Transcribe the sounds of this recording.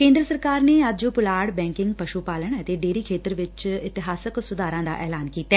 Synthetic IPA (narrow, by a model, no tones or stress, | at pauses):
kẽːnd̪ɾəsəɾkaːɾneːad͡ʒopʊlaːɽbɛ̃ːŋkɪ̃ŋɡpəʃupaːləɳ̃ət̪eːɖeːɾiːkʰeːt̪əɾʋɪt͡ʃɪt̪ɪɦaːsəksʊd̪aːɾãːd̪a̰ːʔɛːlaːnkiːt̪aː